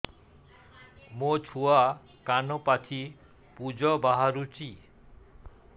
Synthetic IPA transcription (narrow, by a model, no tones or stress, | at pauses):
mot͡ʃʰua | kanɔpat͡ʃʰi | pud͡ʒɔbaɦaɾut͡ʃi